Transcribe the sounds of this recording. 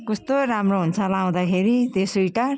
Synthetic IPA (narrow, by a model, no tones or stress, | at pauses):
kʌst̪oɾamroɦunt͡sʰʌlaw̃d̪akʰeɾit̪esʌjʈa